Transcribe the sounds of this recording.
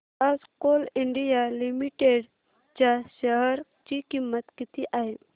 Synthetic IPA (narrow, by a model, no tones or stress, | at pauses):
ad͡zkoliɳɖijalimiʈeɽ | t͡ɕjaɕəɦəɾ | t͡ɕikimːət̪kit̪iʔaɦe